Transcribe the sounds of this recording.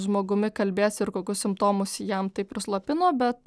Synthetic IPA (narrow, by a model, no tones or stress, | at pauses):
ʒmoːɡʊmʲɪkɐlʲbʲeːsɪɾkoːkʲʊssʲɪmpt̪oːmʊsjɛmt̪ɐɪpʲɾʲɪslˠɐpʲɪnoːbʲɛt̪